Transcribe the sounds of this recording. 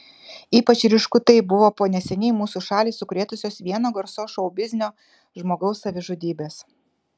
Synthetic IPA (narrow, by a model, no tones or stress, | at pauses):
iːpɐt͡ʃɾʲɪʃkʊt̪ɐɪbʊʋoːpoːnʲɛsʲɛnʲɛɪmuːsuːʃɑːlʲiːsʊkɾʲeːt̪ʊsʲoːsʋʲiɛnoːɡɐɾsoːʃɐʊbʲɪzʲnʲoː | ʒmoːɡɐʊsːɐʋʲɪʒʊd̪ʲiːbʲeːs